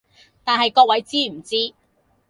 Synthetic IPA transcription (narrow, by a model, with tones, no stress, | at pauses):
t̪aː˨nɦɐ˨jkɔː˧k̚wɐ˨˥jt͡siː˥m̩˨˩t͡siː˥